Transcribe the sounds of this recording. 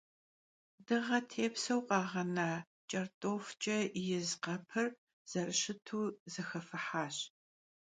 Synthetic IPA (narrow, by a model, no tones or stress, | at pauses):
dɨʁɐtʰeːpsɐwqʼɑːʁɐnaː | t͡ʃʼɐrtʼoːft͡ʃʼɐjɪzqɐpʰɨr | z̥ɐrɕɪtʰuːzɐxɐfɨħaːɕ